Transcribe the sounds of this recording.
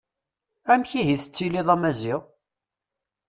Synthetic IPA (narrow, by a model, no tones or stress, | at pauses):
æmçiɦiθə̥t͡sːiliðˤæmæziʁ